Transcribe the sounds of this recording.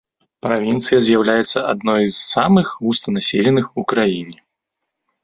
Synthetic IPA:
pɾavʲint̪sɨjɐzʲjawlʲajɛt̪sːɐʔad̪nɔjzːamɨxɣust̪ɐnasʲelʲɛnɨxukɾajinʲɛ

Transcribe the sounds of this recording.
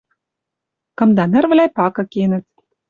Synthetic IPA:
kɤ̆md̪ɑnɘ̆rvlʲæjpɑkɤ̆kenɘ̆t̪

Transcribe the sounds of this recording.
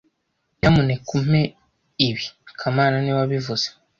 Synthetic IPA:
jamunekum̥e | iβikʰamaːnaniwaβivuz̥e̥

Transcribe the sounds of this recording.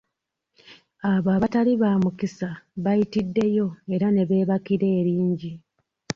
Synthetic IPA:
aβaːβataliβaːmukisaβajitidːe̞jo̞e̞ɾane̞βe̞ːβakiɾe̞ːɾiːɲɟi

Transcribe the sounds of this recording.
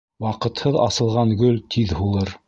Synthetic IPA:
wɑqɤ̆t̪hɤðɑ̰sɤ̆lˠʁɑŋɡɵlt̪ʰiðhulˠɤɾ

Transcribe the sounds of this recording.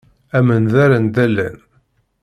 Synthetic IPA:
æmənðæɾænd̪ælːæ̰n

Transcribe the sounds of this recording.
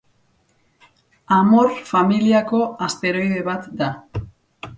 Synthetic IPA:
amo̞rfamiliako̞ast̪e̞ɾo̞jðe̞βat̪d̪a

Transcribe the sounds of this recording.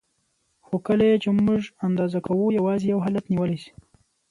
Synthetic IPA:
xokəlajet͡ʃemʊʐand̪ɑzakawujawɑzijawɦɑlat̪niwəlasi̥

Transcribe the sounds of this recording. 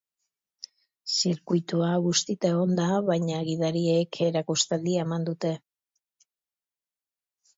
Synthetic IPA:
siɾkujt̪uaɣust̪it̪aeɣo̞nd̪aβajɲaɣiðaɾiekʰe̞ɾakust̪ald̪iemand̪ut̪e̞

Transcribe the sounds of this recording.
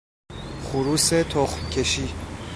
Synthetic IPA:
χuɾuːset̪ʰoχmcʰeʃiː

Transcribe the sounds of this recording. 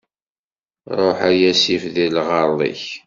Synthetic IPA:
ɾˤoħæjæsifðilʁɑɾlˤḭç

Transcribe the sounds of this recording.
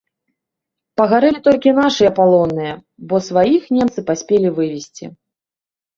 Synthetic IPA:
pɐɣaɾɛlʲit̪ɔlʲkʲinaʂɨjɛpalˠɔnːɨjɐ | bɔsvajixnʲɛmt̪sɨpasʲpʲelʲivɨvʲisʲt͡sʲḭ

